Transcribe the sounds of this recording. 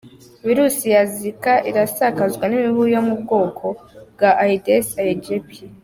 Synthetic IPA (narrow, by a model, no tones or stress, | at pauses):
viɾusijazikaʔiɾasakazɡwanimiβujomub̚ɡo̞ːkʰo̞bɡaʔaidesaid͡ʒepi